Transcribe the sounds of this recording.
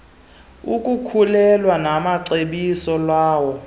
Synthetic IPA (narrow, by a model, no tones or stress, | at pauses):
ukʼukʰulɛlwanamaǀeɓisɔlwaːwɔ